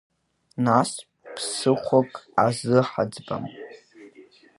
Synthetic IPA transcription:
nas | pʰsɨχʷʰakʼazɨħad͡zba̰m

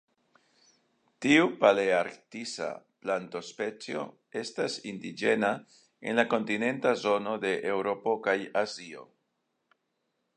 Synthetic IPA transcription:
tiupaleaɾktisa̰planto̞spe̞t͡sio̞̰ | e̞stasindid͡ʒe̞na | ḛnlako̞ntine̞ntazo̞no̞de̞ʔewɾo̞po̞kajazio̞̰

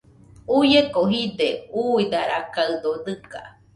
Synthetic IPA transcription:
ujekoɦid̪euid̪aɾakaɨd̪od̪ɨka̰

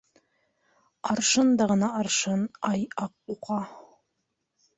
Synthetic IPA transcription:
ɑɾʃɤnd̪ɑʁɤ̆nɑɑɾʃɤnɑjɑq̚uqɑ

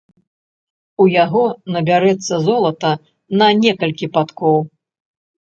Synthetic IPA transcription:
ujaɣɔnɐbʲaɾɛt̪sːɐzɔlˠɐt̪ɐ | nɐnʲɛkɐlʲkʲipat̪kɔw

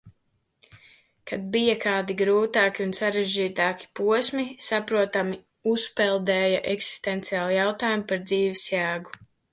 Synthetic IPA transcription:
kad̪̚bijakʰaːd̪iɡɾuːt̪aːkiunsaɾeʒd͡ʒiːt̪aːki̥puɔsmisapɾuɔt̪ami | uspɛlˠd̪ɛːjaʔɛksi̥st̪ɛnt̪siaːlˠijawt̪aːjumpaɾd̪ziːʋisjæːɡu

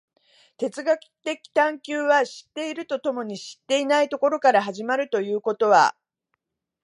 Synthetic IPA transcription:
t̪e̞t͡sɨɡakɯ̥t̪e̞kʲi̥t̪ãŋkʲɨːβaɕi̥t̪ːe̞iɾɯ̟t̪o̞t̪o̞mo̞ɲ̟iɕi̥t̪ːe̞inait̪o̞ko̞ɾo̞kaɾaɦaʑimaɾɯ̟t̪o̞jɯ̟ːko̞t̪o̞βa̰

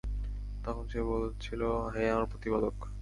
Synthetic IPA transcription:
t̪ɔkʰonʃebolt͡ɕʰiloɦeamaɾpɾot̪ipad̪ok

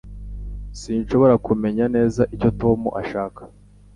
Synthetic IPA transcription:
siːnʃo̞βo̞ɾakume̞ɲane̞ːzaʔico̞to̞muʔaʃaːkḁ

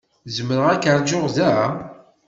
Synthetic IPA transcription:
zəməɾəʁækəɾˤd͡ʒoʁðæ

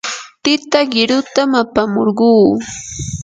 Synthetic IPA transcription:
t̪ɪt̪aɢɪɾʊt̪amapamoɾɢuː

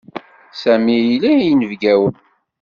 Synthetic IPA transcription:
sæmiilijnəvɡæwən

